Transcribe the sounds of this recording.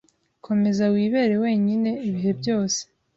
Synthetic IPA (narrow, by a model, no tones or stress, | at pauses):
kʰo̞me̞zawiːβe̞ːɾe̞we̞ːɲine̞iβiɦe̞bɟo̞ːse̥